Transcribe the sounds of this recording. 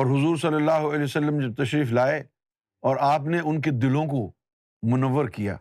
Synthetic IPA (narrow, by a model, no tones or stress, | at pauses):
ɔːɾɦʊzuːɾsɐlːəlːaːɦuəlɛːsɐlːəmd͡ʒɐb̚t̪ɐʃɾiːflaːe | ɔːɾaːp̬neʔʊnk̬ed̪ɪlõko | mʊnəʋːəɾkija̰ː